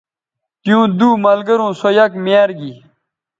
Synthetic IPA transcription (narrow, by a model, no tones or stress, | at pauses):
t̪jũːd̪uːmɐlɡɐɾũːsojɐkmjaːɾɡi